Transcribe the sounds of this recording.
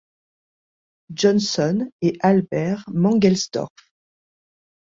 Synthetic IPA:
ʒɔnsɔneʔalbɛʁmɑ̃ɡɛlst̪ɔ̰ʁf

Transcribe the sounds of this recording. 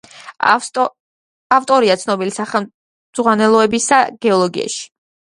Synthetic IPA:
aft̪ʼɔɾiat̪sʰnɔbilisaχɛ | z̥ʁwanɛlˠɔɛbisaɡ̥ɛɔlˠɔɡḭa̰ʃi̥

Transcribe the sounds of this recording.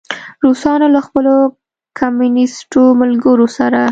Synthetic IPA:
ɾusɑnolaxpəlo | kʰamunɪsʈomalɡəɾosaɾa

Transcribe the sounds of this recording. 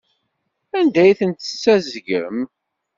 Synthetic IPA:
ænd̪æjθənt̪sːæzɡə̰m

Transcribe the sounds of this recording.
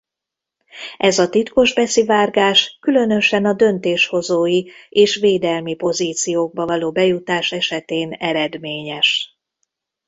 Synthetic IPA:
ʔɛzɒt̪it̪ko̞ʒbɛsivaːrɡaːʃkylø̞nø̞ʃɛnɒd̪ø̞nt̪eːʃho̞zoːjieːʃʋeːd̪ɛlmipo̞ziːt̪sijoːɡ̚bɒvɒloːbɛjut̪aːʃɛʃɛt̪eːnɛɾɛd̪meːɲɛʃ

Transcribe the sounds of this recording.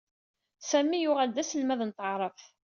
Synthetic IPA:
sæmːijʊʁæld̪æsəlmæðnt̪əʕɾˤəf

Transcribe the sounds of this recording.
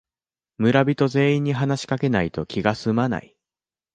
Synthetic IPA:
mɯ̟ɾabʲit̪o̞ze̞ːĩɲ̟ːiɦanaɕi̥kake̞nait̪o̞kʲiɡasɨmana̰i

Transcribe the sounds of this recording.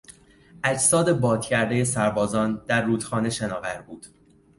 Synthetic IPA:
ʔæd͡ʒsɒːd̪e̞bɒːt̪cʰæɾd̪e̞je̞sæɾbɒːzɒːnd̪̥æɾːuːd̪̥xɒːne̞ʃenɒːvæɾbuːd̪̥

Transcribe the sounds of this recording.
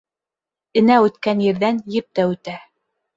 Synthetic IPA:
ɘ̆næʉt̪kænjɘ̆ɾðænjɘp̚t̪æʉt̪æ

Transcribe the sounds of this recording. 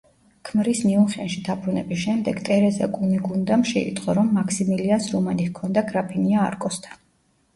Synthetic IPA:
kʰmɾismiuχɛnʃid̪ʰapʰɾunɛbisʃɛmd̪ɛɡt̪ʼɛɾɛza̰kʼuniɡund̪amʃɛḭt̪sʼqʼɔɾɔmːakʰsimiliansɾɔmanihkʰɔnd̪aɡɾapʰinia̰ːɾkʼɔst̪ʰḁn

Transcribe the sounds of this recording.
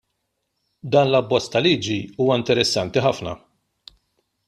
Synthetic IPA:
d̪ɐːnlɐbːɔt͡sːt̪ɐliːd͡ʒiuːwɐɪnt̪ɛɾɛsːɐnt̪iħɐfnɐ̰

